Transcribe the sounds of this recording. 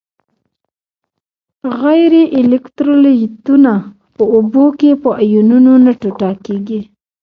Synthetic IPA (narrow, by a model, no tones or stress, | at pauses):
ɣajɾeʔɪlɪkt̪ɾolet̪una | pəubokepəʔajununonaʈoʈɑkeɡi